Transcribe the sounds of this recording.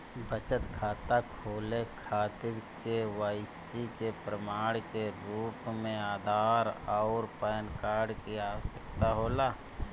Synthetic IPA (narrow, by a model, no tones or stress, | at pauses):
bət͡ʃət̪kʰaːt̪akʰoːlekʰaːt̪ɪɾkewaːɪsikepɾəmaːɽkeɾuːpmẽaːd̪ʱaːɾɔʊɾpəːnkaːɾɖkiasəkt̪aɦoːlaː